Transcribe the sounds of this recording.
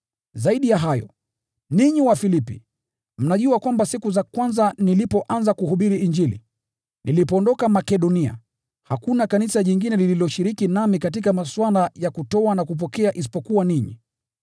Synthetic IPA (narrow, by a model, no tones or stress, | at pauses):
zaiɗijaɦajɔ̰ | niɲiwafilipḭ | m̩naʄuakwambasikuzakwanzanilipɔʔanzakuɦuɓiɾiiɲd͡ʒilḭ | nilipɔːndɔkamakɛɗɔnia̰ | hakunakanisaʄiŋɡinɛlililɔʃiɾikinamikat̬ikamaswalajakutɔanakup̬ɔkɛaʔis̬i̥pɔkuwaniɲḭ